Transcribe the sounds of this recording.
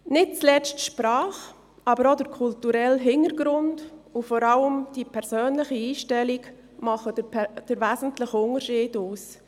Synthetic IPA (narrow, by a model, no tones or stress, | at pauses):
nɪt̚t͡slɛt͡stʃpɾɑːχ | ʔɑbəɾodəɾkʰʊltuɾɛlɦɪnəɾɡɾʊndʊfɔɾɑləmd̥ipʰɛɾsøːnlɪχiiːʃtɛliɡ | mɑχəd̥əɾvæːsn̩tləχʊnəɾʃiːduːs